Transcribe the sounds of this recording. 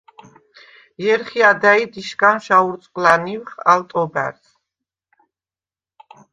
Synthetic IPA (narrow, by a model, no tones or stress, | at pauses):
jɛɾχiad̪aid̪iʃkʼanʃauɾt̪sʼqʼlaniwχalt̪ʼɔba̰ɾt̪